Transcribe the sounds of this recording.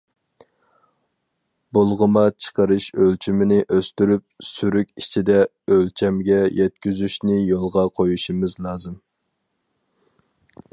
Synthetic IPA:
bulˠʁəmɑt͡ʃʰə̥qəɾɨʃølt͡ʃʰymɪnɪʔøst̪yɾyp̚syɾykʲit͡ʃʰid̪ɛ | ølt͡ʃʰɛmɡʲɛjɛt̪̚kʲyzyʃnɪjolˠʁɑqʰojuʃimɨzlˠɑːzɨm

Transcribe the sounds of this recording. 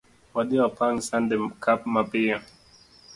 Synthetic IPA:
wad̪iapʰaŋsãndɛmkʰapmapijã

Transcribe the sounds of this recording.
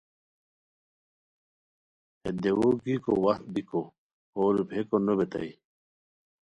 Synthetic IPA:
ed̪ewoɡiko̰wɐxt̪̚biko | oɾupʰekonobet̪a̰i

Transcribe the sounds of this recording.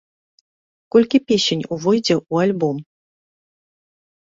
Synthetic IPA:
kɔlʲkʲipʲesʲenʲuvɔjd͡zʲɛʔualʲbɔm

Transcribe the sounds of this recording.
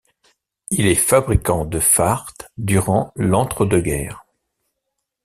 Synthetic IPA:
ilɛfabʁikɑ̃d̪əfaʁt̪d̪yʁɑ̃lɑ̃t̪χəd̪əɡʲɛ̰ːʁ

